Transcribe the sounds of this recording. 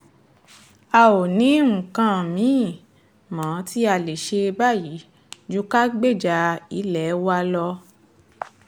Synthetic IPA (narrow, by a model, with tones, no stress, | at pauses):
a˧˨o˨nĩ˨˦ŋ̩̃˨kã˧˨mĩː˨˦˨ | mã˨˦ti˦a˧˨le˨ʃe˧ba˦˨ji˨˦ | d͡ʒu˦ka˦ɡ͡be˦˨d͡ʒa˧i˨˦lɛ˨˦wa˧lɔ˧